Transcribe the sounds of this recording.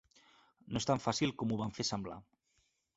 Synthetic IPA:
noest̪aɱfasilˠkomuβaɱfesambla̰

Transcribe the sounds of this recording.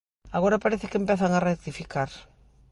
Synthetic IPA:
aɣoɾapaɾeθɪkempeθaŋarek̚t̪ifikaɾ

